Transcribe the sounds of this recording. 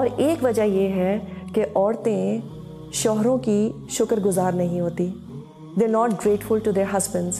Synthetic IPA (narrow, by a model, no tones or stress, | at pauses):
ɔːɾeːkʋɐd͡ʒajeːɦɛkeʔɔːɾt̪ẽ | ʃɔːɦɾõki | ʃʊkəɾɡʊzaːɾnɐɦĩɦoːt̪i | d̪eːɾnɔːʈɡɾeːʈfʊlʈud̪eːɾɦɐzbə̃ɳɖz̥